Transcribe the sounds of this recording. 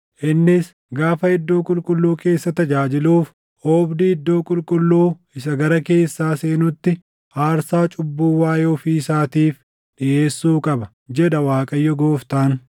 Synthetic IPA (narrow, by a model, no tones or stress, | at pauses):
ʔɪnːɪs | ɡaːfɐɪd̪ːo̞ːkʼʊlkʼʊlːuːke̞ːsːɐt̪ɐd͡ʒaːd͡ʒɪluːf | ʔoːbd̪ɪɪd̪ːo̞ːkʼʊlkʼʊlːuː | ɪs̬ɐɡɐɾɐke̞ːsːaːse̞ːnʊt̪ːɪ | ʔaːɾsaːt͡ʃʼʊbːuːwaːjoːfiːsaːt̪iːf | ɗɪʔe̞ːsːuːkʼɐbɐ | d͡ʒɛd̪ɐwaːkʼɐjːɔɡo̞ːft̪aːn